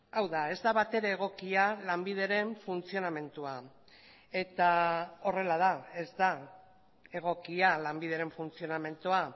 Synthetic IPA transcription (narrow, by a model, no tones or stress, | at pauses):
awðae̞zd̪aβat̪e̞ɾe̞ːɣ̞o̞kialambið̞e̞ɾe̞ɱfunt͡sio̞name̞nt̪ua | e̞t̪ao̞re̞lað̞ae̞zd̪a | e̞ɣ̞o̞kialambið̞e̞ɾe̞ɱfunt͡sio̞name̞nt̪ua